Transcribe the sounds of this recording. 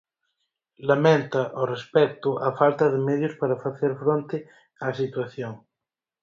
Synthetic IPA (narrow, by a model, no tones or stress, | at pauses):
lamẽnt̪aʔorespɛk̚t̪ʊʔafalt̪ɐðɪmɛðjʊspaɾafaθeɾfɾõnt̪ɪ | asit̪waθjoŋ